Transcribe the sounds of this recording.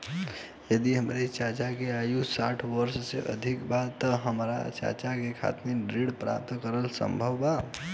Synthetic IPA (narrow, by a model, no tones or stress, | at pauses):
jəd̪iɦəmɾet͡ʃat͡ʃakeajusaʈʰʋəɾsseʔə̰d̪ʱikbat̪ːəɦəmɾa̰t͡ʃa̰t͡ʃakekʰa̰t̪meɖɾiɽpɾa̰p̚t̪kəɾəlsə̰mbʱəwba